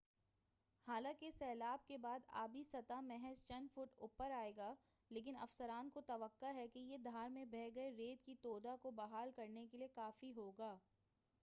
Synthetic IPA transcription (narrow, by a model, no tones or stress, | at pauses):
haːlãːkesɛːlaːb̚kebaːd̪a̰ːbʱisɐt̪amɛɦɛzt͡ʃɐnfʊʈʊpːəɾaːeːɡaː | leːk̬ɪnɐ̰fsəɾaːnkot̪ɐʋəqːaɦɛkejed̪ʱaːɾmẽbʱɛːɡɐeɾeːd̪kit̪oːd̪akobɐɦaːlkɐɾnekeliekaːfiɦoːɡaː